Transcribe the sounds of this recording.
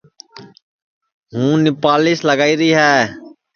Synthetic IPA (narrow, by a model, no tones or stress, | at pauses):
ɦũːnɪpaːlɪːsləɡaːiːɾiːɦɛː